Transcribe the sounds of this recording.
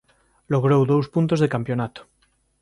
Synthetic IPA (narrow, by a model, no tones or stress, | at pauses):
loɣ̞ɾowðowspunt̪ozðekampjonat̪o̥